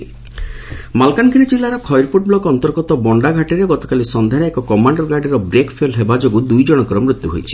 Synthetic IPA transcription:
malkankʰinid͡ʒilːaɾɔkʰɔjɾpuʈ̚blɔɡɔnt̪ɔɾɡɔt̪ɔbɔɳɖaɡʱaʈiɾeɡɔt̪ɔ̥kalisɔnd̪ʱaɾaekɔkɔmaɳɖɔɾɡaɾɖiɾɔbɾekpʰelɦebad͡ʒɔɡud̪ujd͡ʒɔɽ̃ɔkɔɾɔmɾut̪juɦojt͡ʃʰi̥

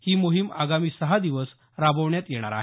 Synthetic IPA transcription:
hiːmuɦima̰ɡamiːsəɦad̪iʋəs | ɾabəʋɳjat̪jeɽ̃a̰ɾa̰ɦe

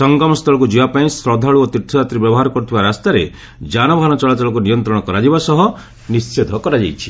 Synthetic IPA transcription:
sɔŋɡɔmɔst̪ʰɔɭɔk̬ud͡ʒibapaĩsɾɔd̪ʱaɭuot̪iɾt̪ʰːɔɾat̪ɾibjɔbɔɦaɾɔkɔɾut̪ʰibaɾast̪aɾe | d͡ʒanɔbʱanɔt͡ʃɔɭataɭɔk̬unijɔnt̪ɾɔɽ̃ɔkɔɾad͡ʒibasɔɦɔ | nissed̪ʱɔkɔɾad͡ʒa̰jt͡ʃʰi̥

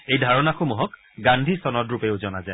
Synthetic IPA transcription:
ejdʱaɹɔnaxomuɦɔk | ɡandʱisɔnɔtɹupeʊzɔnaza

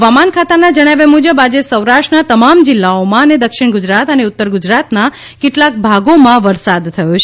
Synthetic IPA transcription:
ʋamankʰat̪anad͡ʒəɽ̃aʋemud͡ʒəbad͡ʒesəwɾaʃʈnat̪əmamd͡ʒɪlːaomãəned̪əkʃɪɳ̃ɡud͡ʒɾat̪əneʊt̪ːəɾɡud͡ʒɾat̪na | keʈlak̚bʱaɡomãʋəɾsad̪t̪ʰːəjot͡ʃʰ

